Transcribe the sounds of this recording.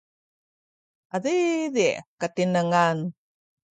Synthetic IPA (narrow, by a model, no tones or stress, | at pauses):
ʔaðiðiʔkatinəŋan